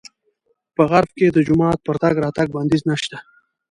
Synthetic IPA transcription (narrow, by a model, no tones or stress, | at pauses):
pəɣaɾfked̪əd͡ʒʊmɑːt̪̚pəɾt̪aɡɾɑt̪aɡ̚band̪iznaʃt̪a